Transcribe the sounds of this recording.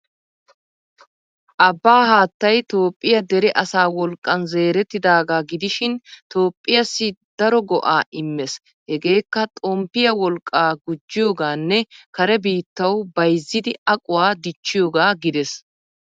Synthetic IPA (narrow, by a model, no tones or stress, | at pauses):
ʔɐbːaːhaːt̪ːɐjt̪oːpʼːɪjɐd̪ɛɾɛʔɐsaːwɔlkʼːɐnze̞ːɾɛt̪ːɪd̪aːɡaːɡɪd̪ɪʃɪnt̪o̞ːpʼːɪjɐsːɪd̪̥ɐɾɔɡɔʔaːʔɪmːɛs | hɛɡe̞ːkːɐt̪ʼɔmpːɪjɐwɔlkʼːaːɡʊd͡ʒːɪjoːɡaːnːɛkɐɾɛbiːt̪ːɐwbɐjzːɪd̪ɪɐkʼʊwaːd̪ɪt͡ʃːɪjo̞ːɡaːɡɪd̪ɛs